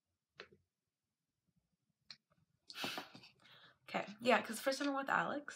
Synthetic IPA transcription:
oʊkʰeɪjækʰʌz̥fə˞stʰʌ̃ɪ̃mɪ̃wɨðæ̰lˠɪks

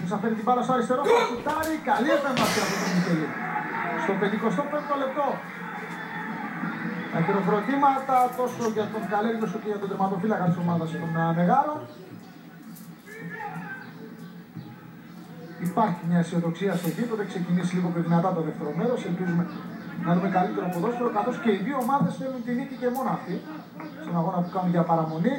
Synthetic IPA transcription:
t̪osɐfeɾit̪ibɐɾɐsoɐɾist̪e̞ɾosokut̪ɐɾikɐliofemɐsiɐft̪ot̪nit̪elist̪o̞pend̪iko̞st̪o̞pent̪ole̞p̚t̪o̞ | t̪ɐɡeɾofɾo̞t̪imɐt̪ɐt̪o̞soʝɐt̪oŋɡaleɾimesoceʝɐt̪oðemɐt̪ofilɐkɐst̪isso̞mɐðɐset̪onme̞ɣɐlo̞n | ipɐɾçimɲɐisio̞ðo̞ksiɐst̪otipot̪ekse̞cinisiliɣopçoðinɐt̪ɐt̪oðeft̪e̞ɾo̞me̞ɾo̞selpizume̞nɐexumekalit̪e̞ɾopoðo̞sfoɾokɐθo̞sce̞iðioːmɐðe̞sθelunt̪inicice̞mo̞nɐft̪i | st̪inaɣo̞nɐpukɐnunʝɐpɐɾɐmo̞ni

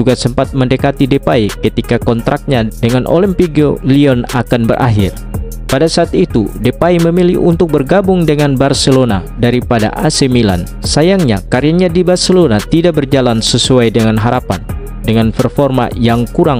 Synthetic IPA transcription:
d͡ʒuɡasəmpat̪̚məndəkat̪idepaikət̪ikakɔnt̪ɾʔak̚ɲadəŋanʔo̰limpiɡoliɔnakanbərʔa̰ɦɪr | padasaːt̪it̪udepaiməmilḭhunt̪ʊk̚bərɡabʊŋdəŋanbarsəlona | daɾipada̰ʔasemila̰n | sajaŋɲa̰kaɾiaɲadibarsəlonat̪idaʔk̚bərd͡ʒalansəsuajdəŋanɦaɾapan | dəŋanpərfɔrma̰jaŋkuɾaŋ

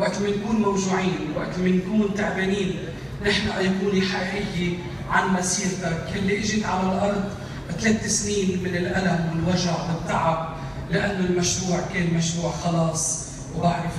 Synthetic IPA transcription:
waʔt̪lmankuːnmawʒuːʕiːnɪwa̰ʔt̪mankuːnt̪aʕbeːniːn | nɪħnaʔajkuːniħaʔʔɪjːe | ʕanmasiːɾt̪akɪlːiʔɪʒɪt̪ʕalalʔɑɾˤd̪ˤ | t̪leːt̪ːɪsniːnmɪnɪlʔalamwɪlwaʒaʕwɪt̪ˤːɑʕab̚ | lɪʔanːʊlmaʃɾuːʕkeːnmaʃɾuːʕxɑlɑːsˤ | wbaʕɾɪf

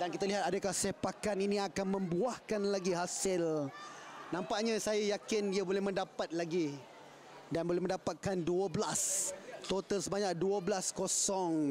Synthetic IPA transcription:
dankit̪aliɦat̪̚adakahsehpakaniniakanmə̃mbuahkanlaɡiɦasɪl | nãmpaʔɲasajajakɪniabolɛhmə̃ndapat̪̚laɡi | danbolɛhmə̃ndapat̪̚kanduəbəlast̪ot̪əlsəbaɲak̚duəblaskosɔŋ

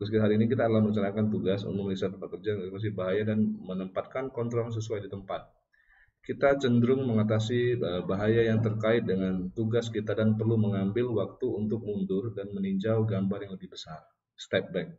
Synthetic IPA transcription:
əskiɦaɾiːnikit̪aːdalahməɾuɲt͡ʃanakant̪uɡasṵnt̪ʊk̚məlisat̪ːəmpat̪̚kərd͡ʒanas̬ibaɦajadanmənəmpat̪̚kankɔnt̪ɾɔls̬əsuajdit̪əmpat̪̚ | kit̪at͡ʃəndɾʊŋməŋat̪asiəbaɦajajaŋt̪ərkaɪt̪̚dəŋant̪uɡaskit̪adanpərluməŋambɪlwak̚t̪uunt̪ʊk̚mundʊrdanməniɲd͡ʒawɡambarjaŋləbɪhbəsar | st̪ɛp̚bɛk̚

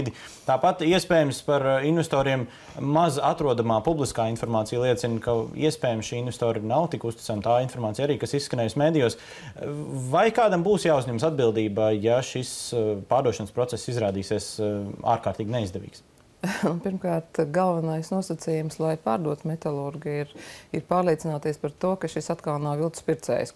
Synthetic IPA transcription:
d̪i | t̪aːpat̪iɛspɛːjɛmspaɾinvɛst̪ɔːɾiɛmː | azat̪ɾuɔd̪amaːpublˠiskaːinfɔɾmaːt̪sijlˠiɛt̪sinkaḭɛspɛːjamsʃiːinvɛst̪oːɾnawt̪ikust̪i̥t̪saːmt̪aːinfɔɾmaːt̪sijaɾiːkasisːkɐnɛːjsmeːd̪ijɔːs | vajkaːd̪ambuːsjaːuzʲɲɛmsad̪bilˠd̪iːbajaʃispaːɾd̪uɔʃɐnspɾɔt̪sesːizɾaːd̪iːsiɛsa̰ːɾkaːɾt̪iːɡʲneizd̪ɛʋʲḭːks | nupiɾmkaːɾt̪ɡalˠvɐnajsnuɔsat̪sijumslˠajpaːɾd̪uɔt̪mɛt̪alˠuɾɡiiɾiɾpaːɾlˠiɛt̪sinaːt̪iɛspɐɾt̪uɔkɐʃisat̪kalˠnawvilˠt̪spʲiɾt̪sɛ̰ːjs

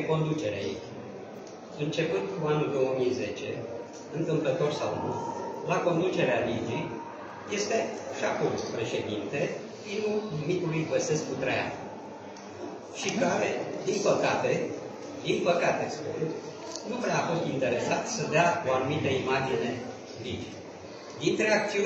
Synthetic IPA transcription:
ko̞nd̪ut͡ʃe̞ɾea̰ḭt͡ʃ | ɨnt͡ʃe̞pɨnd̪kuanuld̪o̞wəmijze̞t͡ʃe̞̰ | ɨnt̪ɨmplət̪o̞rsa̰wnṵlako̞nd̪ut͡ʃe̞ɾealed͡ʒi | je̞st̪e̞aʃakumpɾe̞ʃe̞d̪int̪e̞ | fimulnumit̪ulujɡəse̞skkut̪ɾeja̰n | ʃikaɾḛd̪inpəkat̪e̞ | d̪inpəkat̪e̞spuu | nupɾeafo̞st̪int̪e̞ɾe̞sat̪səd̪eao̞anumit̪əimad͡ʒine̞ | lid͡ʒi | d̪int̪ɾeak̚t̪siu

